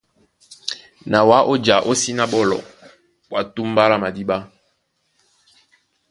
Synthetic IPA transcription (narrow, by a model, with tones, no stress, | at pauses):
na˨wa˨˦ʔo˦d͡ʒa˨ʔo˦si˦na˦ɓɔ˦lɔ̰˨ | wa˨tu˦m˦ba˦la˦ma˨di˦ɓa˦